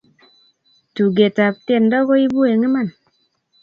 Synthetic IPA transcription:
tu˨ɡe˨ta˨p̚te˦˨n˦dɔ˦ɣo˦i˦bu˦e˨ŋe˦ma˦˨n

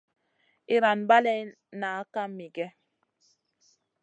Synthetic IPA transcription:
i˨ɾa˨nba˦lɛ˦ | na˨a˦ka˦m˦mi˨ɡɛ˦

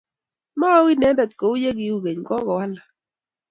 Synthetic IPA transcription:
ma˦wi˦nɛ˨˦da˨t̪̚ko˨u˦je˦ɡi˦u˦˨ɡe˨ɲɡɔ˦ɡɔ˨wa˦la˨

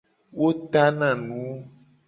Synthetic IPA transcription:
wo˦t̪a˦nã˨nũ˨˦

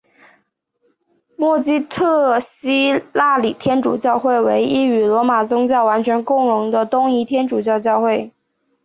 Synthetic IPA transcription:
mwɔ˥˩t͡ɕi˥t̪ʰɤ˥˩ɕi˥la˥˩li˨˩t̪ʰjɛ˥nʈ͡ʂṵ˨˩t͡ɕjɑ˥˧ʊxwe˥˩ɪwe˧˥ɪʔi˥y˨˩lwɔ˧˥ma˨˩t͡sʊ˥ŋt͡ɕjɑ˥˩ʊwa˧˥nt͡ɕʰɥɛ˧˥nkʊ˥˩ŋɻʊ˧˥ŋd̪ə˧t̪ʊ˥ŋi˧˥t̪ʰjɛ˥nʈ͡ʂu˨˩t͡ɕjɑ˥˧ʊt͡ɕjɑ˥˧ʊxwe˥˩ɪ

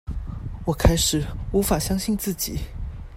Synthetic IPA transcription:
wɔ˨˩kʰa˥ɪʂɻ̩˨˩˦u˧˥fa˨˩ɕjɑ˥ŋɕi˥˧nt͡sɹ̩˥˩t͡ɕi˨˩˦

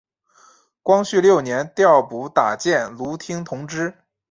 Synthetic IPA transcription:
kwɑ˥ŋɕy˥˧ljo˥˩ʊnjɛ˧˥nt̪jɑ˥˩ʊpu˧˥t̪a˨˩t͡ɕjɛ˥˩nlu˧˥t̪ʰi˥ŋt̪ʰʊ˧˥ŋʈ͡ʂɻ̩˥

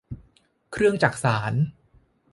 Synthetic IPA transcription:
kʰɾɯ˥˩əŋt͡ɕaː˨˩k̚saː˩˦n

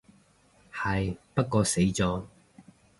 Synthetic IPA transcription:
hɐ˨jpɐ˥t̚kɔː˧se˨˥jt͡sɔː˨˧

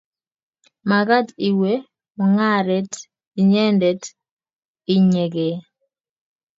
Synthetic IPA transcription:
ma˨ɡa˦ti˨we˦ | mɔ˨ŋa˦ɾɛ˦t | i˨ɲɛ˦ndɛ˨t | i˨ɲe˨ɡe˨

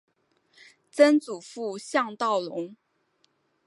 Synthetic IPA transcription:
t͡sə˥nt͡su˨˩fu˥˧ɕjɑ˥˧ŋt̪ɑ˥˩ʊlʊ˧˥ŋ

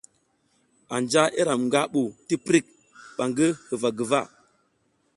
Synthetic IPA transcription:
a˨nd͡ʒa˦ʔe˦ɾa˨mŋɡa˦ɓu˨ti˦pɾi˦˨k̚ | ɓa˨ŋɡə˦hə˨va˨ɡə˨va̰˦˨

